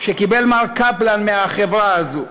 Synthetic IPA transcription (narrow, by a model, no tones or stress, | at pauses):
ʃekibelmalkaplanmeaχevʁaazu